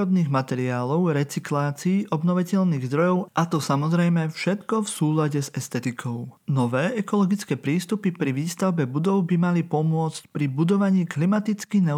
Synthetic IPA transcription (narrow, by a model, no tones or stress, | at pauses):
ɔd̪niːɣmat̪ɛɾiaːlɔʊɾɛt͡siklaːt͡siːʔɔbnɔʋicɛʎniːɣzd̪ɾɔjɔʊʔat̪ɔsamɔzɾɛjmɛfʃɛt̪kɔfsuːlaɟɛzɛst̪ɛt̪ikʰɔʊnɔʋɛːʔɛkɔlɔɡit͡skɛːpɾiːst̪upipɾiʋiːst̪aʊbɛbud̪ɔʊbimalipɔmʊɔt͡scpɾibud̪ɔʋaɲiːklimat̪it͡skinɛ